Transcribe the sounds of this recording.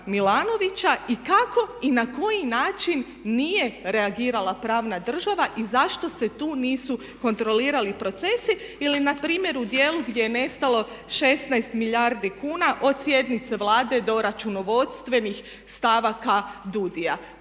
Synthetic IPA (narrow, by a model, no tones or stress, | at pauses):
milˠaːno̞ʋit͡ɕaikako̞inako̞jinaːt͡ʃinː | ije̞ɾe̞aɡiːɾalˠapɾaːʋnad̪r̩ʒaʋaʔizaʃt̪o̞se̞t̪uːniːsu | ko̞nt̪ɾo̞liːɾalipɾo̞t̪se̞si | ilinapɾiːmje̞ɾud̪je̞ːluɡd̪ʲjejene̞st̪alˠo̞ | ʃe̞st̪najst̪milaɾd̪ikuːnaʔo̞d̪sje̞d̪nit̪se̞ʋlˠaːd̪e̞d̪o̞ɾat͡ʃuno̞ʋo̞t̪st̪ʋe̞nix | st̪aʋakad̪ud̪ija